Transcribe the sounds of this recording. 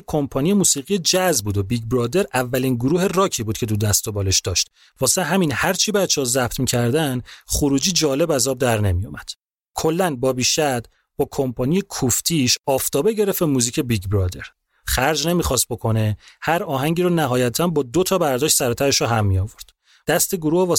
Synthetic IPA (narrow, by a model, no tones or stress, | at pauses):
kʰːo̞mpʰɒːnije̞muːsiːɣije̞d͡ʒæzbuːd̪o̞biɟbɾɒːd̪e̞ɾʔævːæliːnɡuɾuːɦerɒːcʰiːbuːd̪̥cʰe̞t̪ʰud̪æst̪o̞bɒːle̞ʃd̪ɒʃt̪ | vɒːseeɦæminhæɾt͡ʃʰibæt̪t͡ʃʰːehɔzæb̚t̪ʰmiːcʰæɾd̪ænχuɾuːd͡ʒiːd͡ʒɒːle̞bæzɒːb̚d̪æɾne̞mijomæd̪̥ | kʰo̞lːænbɒːbiːʃæd̪̥ | b̥ɒːkʰo̞mpʰɒːnijekʰuft̪ʰiʃɒːft̪ʰɒːbe̞ɟe̞ɾeft̪emuːziːcʰe̞biɡbɾɒːd̪e̞ɾ | χæɾd͡ʒne̞miːxɒst̪̚bo̞kʰo̞ne̞hæɾɒːɦæŋɟiːɾɔnæɦɒːjæt̪ʰænbɒːd̪ot̪ʰɒːbæɾd̪ɒːʃt̪sæɾɔt̪ʰæɾeʃɔɦæmːijɒːvo̞ɾd̪̥ | d̪̥æst̪eɡoɾuːhvɒː